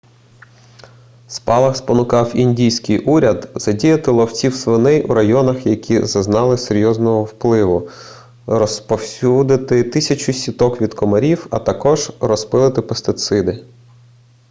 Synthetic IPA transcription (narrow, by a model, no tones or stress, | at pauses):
spɑlˠɐxspɔnʊkɑwinʲdʲijsʲkɪjʔuɾʲɐd̪z̥ɐdʲijɐt̪ɪlˠɔwt͡sʲiwsʋɪnɛjʔṵɾɐjɔnɐxjɐkʲʰizɐznɑlˠɪseɾʲjɔznɔɦɔwplˠɪʋʊ | ɾɔspɔwsʲud̪ɪt̪ɪt̪ɪsʲɐt͡ʃʊsʲit̪ɔkʋʲid̪kɔmɐɾʲiwɐ̰t̪ɐkɔʒrɔspɪlˠɪt̪ɪpest̪ɪt̪sɪd̪ɪ